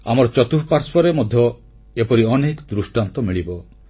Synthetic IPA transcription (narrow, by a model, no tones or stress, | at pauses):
a̰mɔɾɔt͡ʃɔt̪upaɾspʰɔɾemɔd̪ʱjɔ | epɔɾiɔnekɔd̪ɾusʈant̪ɔmiɭibɔ